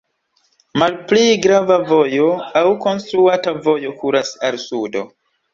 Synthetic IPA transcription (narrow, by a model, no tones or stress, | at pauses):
malpliɡɾavavo̞jo̞awko̞nstɾuatavo̞jo̞kuɾasalsudo̞̰